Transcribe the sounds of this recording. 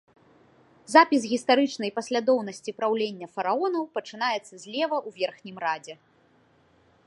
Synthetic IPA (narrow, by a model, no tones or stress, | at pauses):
zapʲisɣʲist̪aɾɨt͡ʂnɐjpɐsʲlʲad̪ɔwnɐsʲt͡sʲipɾawlʲenʲːɐfɐɾaɔnɐwpɐt͡ʂɨnajɛt̪sːɐzʲlʲɛvɐʔuvʲɛrxnʲimrad͡zʲɛ